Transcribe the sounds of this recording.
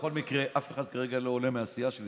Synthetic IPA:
χo̞lmikʁeʔafeχad̪kaʁeɡalo̞ːlemeasijaʃeli

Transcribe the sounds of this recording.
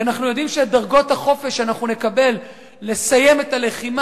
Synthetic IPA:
anaχnujo̞dimʃedaʁɡo̞thaχo̞fe̞ʃanaχnune̞kabe̞lː | e̞saje̞metale̞χim

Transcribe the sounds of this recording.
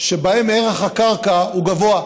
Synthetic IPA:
ʃebahemeʁeχakaʁkauɡavo̞a

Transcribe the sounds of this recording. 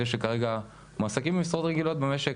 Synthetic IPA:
eʃ̬ekaʁe̞ɡa | masakimimisʁot̪ʁeɡilo̞t̪̚beme̞ʃe

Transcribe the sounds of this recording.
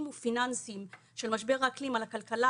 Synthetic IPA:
mufinansim | ʃe̞lmaʃbeʁaːklimalakalkala

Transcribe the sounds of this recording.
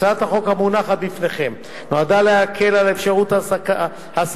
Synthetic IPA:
at̪haχo̞khamunaχat̪bifneχe̞m | noad̪aleakʰe̞lalefʃaʁut̪aka | has

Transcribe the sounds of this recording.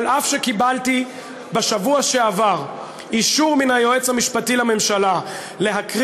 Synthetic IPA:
lʔafʃekibalti | baʃavuaʃeavaʁ | iʃuʁminajo̞et͡shamiʃpatilame̞mʃala | le̞ɦakʁ

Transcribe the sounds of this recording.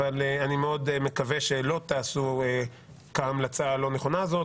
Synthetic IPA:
valeanimeo̞d̪eme̞kaveʃelo̞t̪aːsue | kaamlat͡salo̞neχo̞nazo̞

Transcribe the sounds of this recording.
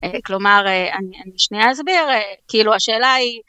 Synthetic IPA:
eklo̞maʁeanianiʃnijaazbiʁekiiluaʃe̞ːlai

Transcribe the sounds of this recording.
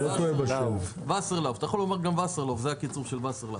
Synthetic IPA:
lot̪oebaov | vaseʁlavt̪ajχolomaʁɡamvaseʁlovzeakit͡suʁʃelvaseʁla̰

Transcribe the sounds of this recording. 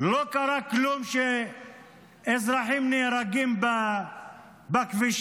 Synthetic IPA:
lokaɾaklumʃe | ezɾaħimneɾaɡimba | bakviʃ

